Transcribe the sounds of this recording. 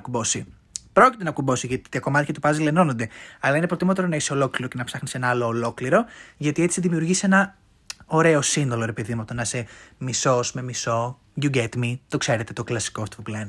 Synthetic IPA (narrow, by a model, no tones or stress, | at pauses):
ɐkubo̞si | pɾo̞cit̪e̞nɐkubo̞siʝɐt̪i̥t̪iɐko̞mɐt̪çɐt̪upɐzile̞no̞nond̪e̞ɐlɐinepɾo̞t̪imot̪oɾonɐiseo̞lo̞kliɾo̞ce̞nɐpsɐxnise̞nɐɐlo̞ːlo̞kliɾo̞ʝɐt̪ie̞t͡siðimiuɾʝisie̞nɐ | o̞ɾe̞o̞sinðo̞lo̞ɾe̞piðimot̪o̞nɐsemiso̞sme̞miso̞ | ʝuɟe̞t̪mit̪o̞kse̞ɾe̞t̪e̞t̪o̞klɐsi̥koft̪puplen